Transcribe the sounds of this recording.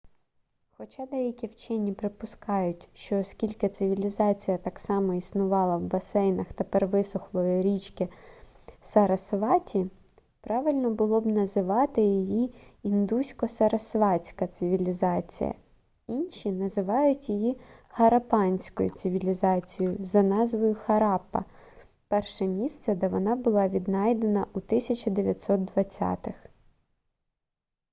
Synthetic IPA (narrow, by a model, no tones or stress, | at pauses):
xɔt͡ʃɑd̪ɛjɐkʲiwt͡ʃɪnʲːipɾɪpʊskɑjʊtʲʃt͡ʃɔːskʲilʲkɪt̪sɪʋʲilʲizɑt͡sʲijɐt̪ɑksɑmɔisnʊʋɑlˠɐwbɐsɛjnɐxt̪epɛrʋɪsʊxlˠɔjiɾʲit͡ʃkɪ | sɐɾɐsʋɑtʲi | pɾɑʋɪlʲnɔbʊlˠɔbnɐzɪʋɑt̪ɪjijiind̪usʲkɔsɐɾɐsʋɑt͡sʲkɐt̪sɪʋʲilʲizɑt͡sʲḭjɐ̰ | inʲʃʲinɐzɪʋɑjʊtʲjijihɐɾɐpɑnʲsʲkɔ̰jʊ̰t̪sɪʋʲilʲizɑt͡sʲijʊzɐnɑzʋɔjʊxɐɾɑpːɐ̰ | pɛrʃɛmʲist̪sɛd̪ɛʋɔnɑbʊlˠɑʋʲid̪nɑjd̪enɐʔut̪ɪsʲɐt͡ʃɐd̪eʋʲjɐtʲsɔt̪̚d̪ʋɐt͡sʲːɑ̰t̪ɪx